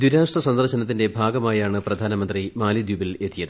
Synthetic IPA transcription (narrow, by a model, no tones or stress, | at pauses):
d̪wiɾaːʂʈɐsɐnd̪ɐrɕɐnɐt̪̬ːinde̞bʱaːɡɐmaːjaːɳɨprɐd̪ʱaːnɐmɐnd̪rimaːlid̪jubile̞t̪ːijɐðɨ